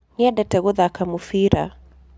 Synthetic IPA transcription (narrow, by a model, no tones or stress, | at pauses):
niadɛtɛɣuðakamufiɾa